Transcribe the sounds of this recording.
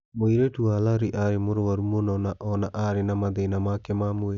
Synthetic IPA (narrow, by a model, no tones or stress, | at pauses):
moiɾetuwalaɾiʔaɾemoɾowaɾumonɔnaʔɔnaʔaɾenamaðenamakemamue